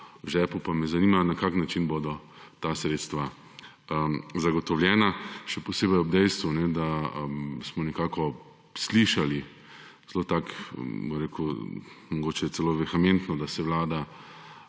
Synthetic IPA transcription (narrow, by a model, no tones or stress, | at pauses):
ʒɛːpupamɛzanimanakaːknat͡ʃinboːd̪ɔ | t̪asɾeːt̪st̪ʋa | əzaɡɔt̪ɔwljɛːnaʃɛpɔseːbɛjɔbd̪ɛjst̪ʋunɛd̪aəmsmɔnɛkaːkɔ | sliʃali | zlot̪akbɔɾeːku | mɔɡoːt͡ʃɛt̪sɛloːʋɛxament̪nɔd̪asɛwlaːd̪a